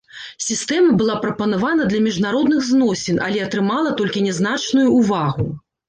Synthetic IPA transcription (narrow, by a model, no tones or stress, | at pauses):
sʲist̪ɛmɐbɨlˠapɾɐpɐnavanɐd̪lʲɐmʲiʐnaɾɔd̪nɨɣznɔsʲinɐ̰lʲɛɐt̪ɾɨmalˠɐt̪ɔlʲkʲinʲɛznat͡ʂnujuːvaɣu